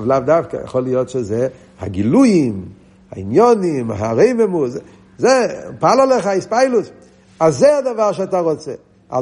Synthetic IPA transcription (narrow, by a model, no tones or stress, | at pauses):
vlˠavdafkə̰jə̰χɔlˠɪjɔtʃɪze | ha̰ɡɪluɪm | ha̰injɔnɪmɦa̰ɾeɪmɛmu | zepalˠalˠɛχaɪspaɪlˠʊs | aszeadavaʃ̬ataʁɔt͡sɛ | a̰